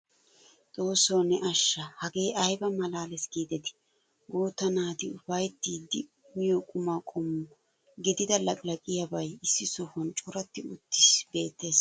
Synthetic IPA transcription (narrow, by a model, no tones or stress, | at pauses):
t̪ʼoːsoːnɛʔɐʃːɐhɐɡe̞ːʔɐjbɐmɐlaːlɛsɡ̥iːd̪ɛt̪ɪ̥ | ɡuːt̪ːɐnaːt̪ɪʊfɐjt̪ːiːd̪ːɪ | mɪjɔkʼʊmaːkʼɔmːʊ | ɡɪd̪ɪd̪ɐlɐkʼlɐkʼɪjɐbɐjɪsːɪsɔfɔnt͡ʃʼʊɾɐt̪ːɪʊt̪ːɪsbe̞ːt̪ːe̞ːs